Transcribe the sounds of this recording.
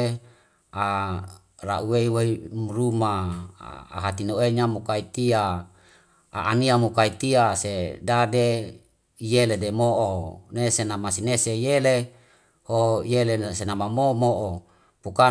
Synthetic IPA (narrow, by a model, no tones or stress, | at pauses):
a | ra̰ʔuweiweimruma̰ | a̰ɦat̪inoeɲamukait̪ia | a̰ʔːniamukait̪iasedade | ijeledemoʔonesenamasinesejele | hojelesenamamomoʔo | puka